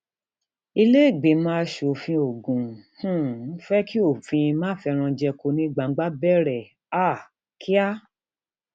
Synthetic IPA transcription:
i˧le˦˨ɡ͡be˨mã˦ʃo˨fĩ˧o˨ɡũ˨hũ˦n̩˦fɛ˦ki˦o˦˨fĩ˧mãː˦fɛ˧ɾ̃ã˧d͡ʒɛ˧ko˧nĩ˦ɡ͡ba˨˦ɡ͡ba˦bɛ˦˨ɾɛ˨ | a˦˨ | ki˦a˦

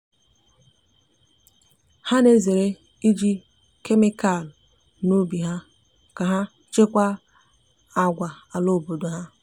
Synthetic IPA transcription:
ha˦ne˦ze˨ɾe˦ | i˦d͡ʒi˦ | ke˦mɪ˦ka˨l | no˦bi˨ɦa˦ | ka˨ɦa˦ | t͡ʃe˦kʷa˦ | a˨ɡʷa˨a˨lo˦˨bo˨do˨ɦa˦

